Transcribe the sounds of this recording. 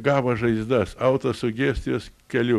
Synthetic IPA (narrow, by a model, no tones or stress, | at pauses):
ɡɑːbɐʒɐɪzd̪ɐsɐʊt̪ɐsʊɡʲeːsʲt̪ʲɪjoːskʲɛlʲʊ